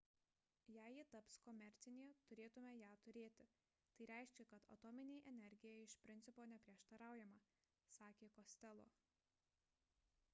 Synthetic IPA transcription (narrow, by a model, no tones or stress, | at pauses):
jæːjit̪ɐpskɔmʲɛɾʲt̪sʲɪnʲeːt̪ʊɾʲeːt̪ʊmʲɛjæːt̪ʊɾʲeːt̪ʲɪ | t̪ɐɪɾʲæˑɪʃʲkʲɛkɐt̪ɐ̰t̪ɔːmʲɪnʲeːɪʔɛnʲɛɾʲɡʲɪjɛɪɪʃpʲɾʲɪnʲt̪ʲɪpoːnʲɛpʲɾʲiɛʃt̪ɐɾɑˑʊjɛmɐ | sɑːkʲeːkɔsʲt̪ʲɛlˠo̰ː